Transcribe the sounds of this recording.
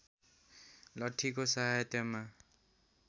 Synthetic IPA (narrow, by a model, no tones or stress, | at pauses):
lʌʈʰːikosaɦajʌt̪jʌma